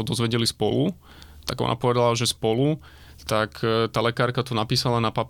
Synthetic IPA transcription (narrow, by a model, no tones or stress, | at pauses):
ɔd̪ɔzʋɛɟɛlispɔlu | t̪a̰ɡɔ̰na̰pɔʋɛd̪alaʒɛspɔlu | t̪akʰt̪aːlɛkaːɾkat̪unapiːsalanapap